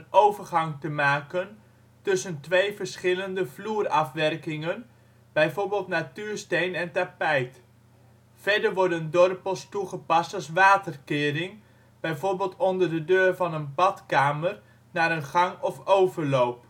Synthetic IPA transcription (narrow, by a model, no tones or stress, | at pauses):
nowvəɹχɑŋtəmaːkən | tɵsəntʋejvəɹsχɪləndəvluːrɑfʋɛrkɪŋən | b̥ɛjvoːɹbɪːlˠtnatyːɹstejnɛntapɛjt | fɛɹdəɹʋɔɹdəndɔrpəlˠstuχəpɑstɑlˠsʋaːtərkɪːɾɪŋ | b̥ɛjvoːɹbɪːlˠtɔndəɹdədøːrvɑnənbɑtkaːmər | naːɾənχɑŋɔfowvəɹlowp